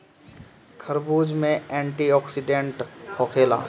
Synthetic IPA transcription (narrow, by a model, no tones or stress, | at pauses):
kʰəɾbuːd͡ʒmẽɛ̃ːɳʈiɔːksɪɖẽɳʈkʰoːkʰeːla̰ː